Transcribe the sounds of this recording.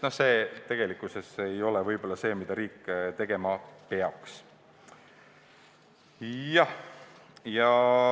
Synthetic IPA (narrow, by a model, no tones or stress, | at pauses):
nohse̞ːt̪e̞ɡ̥e̞likːˑuse̞se̞jo̞lɛvɤjb̥o̞lːɑse̞ːmid̪̥ɑɾiːkːˑt̪e̞ɡ̥e̞mɑpeɑks | jɑh | jɑ